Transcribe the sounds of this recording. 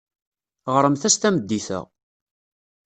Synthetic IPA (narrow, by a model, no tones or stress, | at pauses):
ʁəɾˤəmθæst̪æməd̪ːiθə̰ʁ